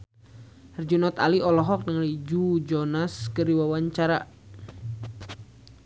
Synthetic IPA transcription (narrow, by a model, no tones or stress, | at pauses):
rd͡ʒunɔt̪a̰liɔlɔɦɔk̚nəŋlid͡ʒud͡ʒɔnaskəɾiwawaɲt͡ʃaɾa̰